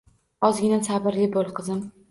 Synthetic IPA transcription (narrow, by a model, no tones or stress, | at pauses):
ɒzɡʲɪnansabɪɾlɪbolˠqʰɨzɪm